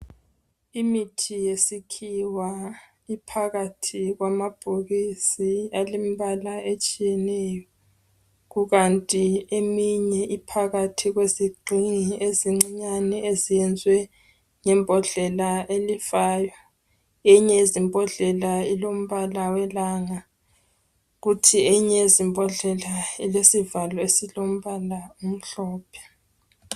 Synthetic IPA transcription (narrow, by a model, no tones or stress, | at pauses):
imitʰijesikʰiwa | ipʰaɣatʰiɣwamab̥ʱuɣisialimiβalaʔet͡ʃʼijɛnɛjɔ | ɣuɣantʼiemiɲɛʔipʰaɣatʰiɣweziɡ͡ǃʱiŋieziŋ͡ǀiɲanɛezijɛnd͡zʱwɛ | ŋɛmbʱɔɮɛlaelifaːjwa | eɲɛizimbʱɔɮɛlailom̩βalawɛlaŋa | ɣutʰieɲɛezimbʱɔɮɛlailesivalɔesilom̩βalaum̩ɬɔːpʰɛ̥